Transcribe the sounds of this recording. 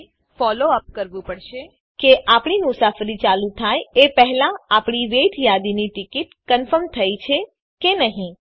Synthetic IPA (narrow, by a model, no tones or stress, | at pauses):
fɔloəp̚kəɾʋũpəɽʃe | keʔapɳimʊsafɾit͡ʃalũt̪ʰajepəɦɛlãapɳ̃iʋeʈʰjad̪iniʈikiʈkənfəɾmt̪ʰəjt͡ʃʰe | kenəɦĩ